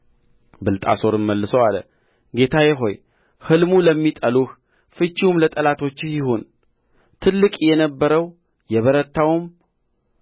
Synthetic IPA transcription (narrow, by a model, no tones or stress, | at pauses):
bɨlt̪ʼa̰so̞ɾɨməlːɨsəwalə̰ | ɡe̞t̪ʰajɛɦo̞j | hɨlmuləmːit̪ʼəluh | fɨt͡ʃːiumlət̪ʼəlat̪ʰo̞t͡ʃːjɪɦon | t̪ʰɨlːɨkʼjɛnəbːəɾəw | jɛβəɾət̪ʰːawum